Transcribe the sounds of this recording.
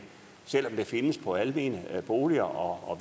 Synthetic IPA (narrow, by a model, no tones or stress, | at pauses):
sel̰ɒ̽md̥e̝fe̝nəspʰɒ̽æləmiːnəb̥o̝ːliɐʔɒ̽ɒʋ